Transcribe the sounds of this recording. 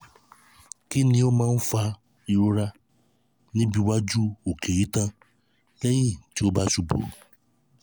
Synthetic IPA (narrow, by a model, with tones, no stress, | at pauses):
ki˦ni˦o˦mã˦m̩˦fa˦ | i˨ɾo˦ɾa˦ | ni˦bi˨wa˦d͡ʒu˦o˨ke˨i˦tã˦ | lɛ˦ji˦˨n̩˨ti˦o˦ba˦su˨bo̰˨